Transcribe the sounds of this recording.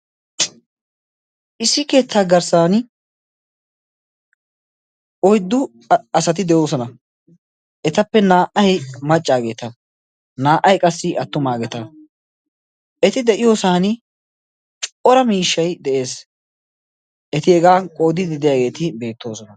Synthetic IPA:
ʔɪsːɪke̞ːt̪ʰːaːɡɐɾsaːn | ɔjd̪ːʊ | ɐsɐt̪̬ɪd̪ɛjo̞ːs̬ɔnɐ | ʔɛt̪ɐpːɛnaːʔɐjmɐt͡ʃʼːaːɡe̞ːt̪ɐ | naːʔɐjkʼɐsːɪʔɐt̪ːʊmaːɡɛt̪ɐ | ɛt̪ɪd̪ɛʔɪjo̞ːsaːnɪ | t͡ʃʼɔɾɐmiːʃːɐjd̪ɛʔe̞ːs | ʔɛt̪ɪɛɡaːkʼoːd̪ɪd̪ɪd̪ɪjaːɡe̞ːt̪ɪbe̞ːt̪ːo̞ːsɔnɐ

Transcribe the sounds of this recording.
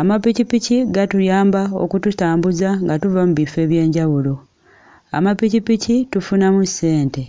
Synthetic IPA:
amapicipiciɡatuljaːmbao̞̰kututaːmbuzaŋɡatuvamuβife̞ːβje̞ːɲɟawulo̞ | a̰mapicipicitufunamuse̞ːnte̞

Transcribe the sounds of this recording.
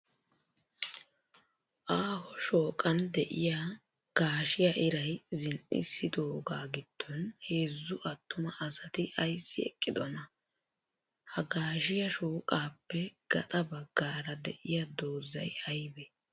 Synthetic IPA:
ʔaːhɔʃoːkʼɐnd̪ɛʔɪjaː | ɡ̥aːʃɪjaʔɪɾɐjzɪnʔɪ̰sːɪd̪o̞ːɡaːɡɪd̪̥ːɔnhe̞ːzːʊʔɐt̪ːʊmɐʔɐsɐt̪ɪʔɐjsːɪɛ̰kʼːɪd̪ɔnɐ | hɐɡaːʃɪjɐʃoːkʼaːpːɛɡ̥ɐ̰t̪ʼɐbɐɡːaːɾɐd̪ɛ̰ʔɪjad̪o̞ːzɐ̰jɐjbɛ

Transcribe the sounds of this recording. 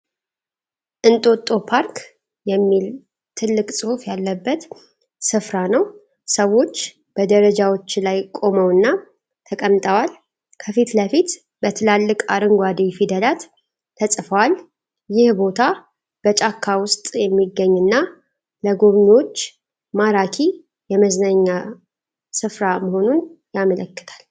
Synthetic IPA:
ʔɨnt̪ʼot̪ʼːo̞pʰaɾk | jɛmːil | t̪ʰɨlːɨkʼsʼɨhufjalːəbːət̪ | sɨfɾanəw | səwːo̞t͡ʃː | b̥əd̪əɾəd͡ʒawo̞t͡ʃːlajkʼo̞məwɨnːa | t̪ʰəkʼəmt̪ʼəwal | kʰəfit̪ləfit̪ | bət̪ʰɨlalːɨkʼaɾɨŋɡʷad̪ijfid̪əlat̪ʰː | əsʼfəwal | jɪhbo̞t̪ʰa | b̥ət͡ʃʼakʰːawʊst̪ʼjɛmːiɡːəɲːɨnːa | ləɡo̞βɲiwo̞t͡ʃː | maɾakʰi | jɛməznəɲːa | sɨfɾaməho̞nunjamələkːɨ̥t̪ʰḁl

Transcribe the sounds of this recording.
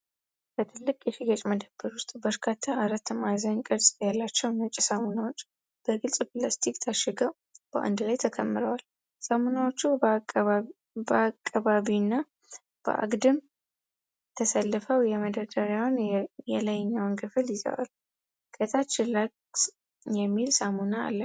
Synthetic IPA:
b̥ət̪ʰɨlːɨkʼjɛfiɡət͡ʃʼməd̪əbːəɾwʊst̪ʼbəɾkʰat̪ʰːaʔaɾət̪ːmazaɲkʼɨɾsʼjalːat͡ʃːɛwnɨt͡ʃʼisəmonawot͡ʃː | b̥əɡɨlsʼplast̪ʰikʼt̪ʰaʃːɛɡəw | b̥əʔa̰nd̪lajt̪ʰəkʰəmːɨɾəwal | səmonawot͡ʃːu | bəakʼːaβaβinːa | b̥ə̰ʔa̰ɡd̪ɨm | t̪ʰəsəlːɨfəwjɛməd̪əd̪əɾjawnjɛlajɪɲːawnkʰɨfɨljɪzə̰wa̰l | kʼət̪ʰat͡ʃːɪlak | jɛmːilsamuna̰ːlːə

